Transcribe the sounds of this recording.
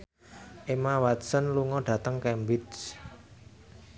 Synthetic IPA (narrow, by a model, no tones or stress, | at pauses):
ʔemawat̪sənluŋɔɖ̥ä̤t̪əŋkɛmbɪt͡ʃ